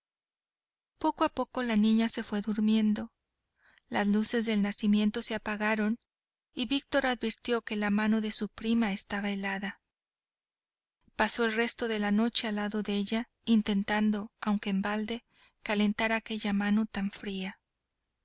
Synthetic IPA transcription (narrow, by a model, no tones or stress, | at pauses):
po̞koapo̞ko̞lanĩɲase̞fwe̞ðuɾmje̞nd̪o̞ | lazluse̞zðe̞lnasimje̞nt̪o̞seapaɣaɾo̞n | iβik̚t̪o̞ɾaðβiɾt̪jo̞ke̞lamãno̞ðe̞supɾimaest̪aβae̞laða | paso̞elre̞st̪o̞ðe̞lano̞t͡ʃe̞alaðo̞ðeeʝa | int̪e̞nt̪and̪o̞awŋkeːmbald̪e̞ | kale̞nt̪aɾake̞ʝamano̞t̪aɱfɾia